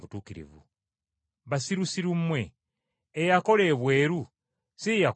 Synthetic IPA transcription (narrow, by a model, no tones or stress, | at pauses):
βutuːkiɾḭvṵ | βasiɾusiɾumːwe̞ː | jako̞le̞ːβwe̞ːɾu | sija